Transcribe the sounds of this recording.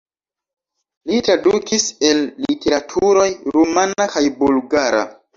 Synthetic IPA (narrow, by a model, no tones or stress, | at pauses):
litɾadukise̞lːitʰe̞ɾatʰuɾo̞jɾumanakajbulɡaɾa̰